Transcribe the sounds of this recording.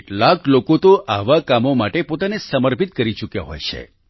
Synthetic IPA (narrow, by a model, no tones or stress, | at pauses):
ʈlaklokot̪oʔaʋakamomaʈepot̪anesəməɾpit̪̚kəɾit͡ʃukja̰ɦo̰jt͡ʃʰḛ